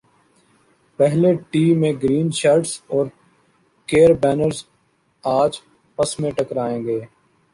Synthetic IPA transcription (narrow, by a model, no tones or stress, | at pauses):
pɛɦleʈiːmẽɡɾiːnʃaːɾɖsɔːɾ | keːɾbɛːnəɾz | aːd͡ʒ | pəsmẽʈəkɾaːẽːɡeː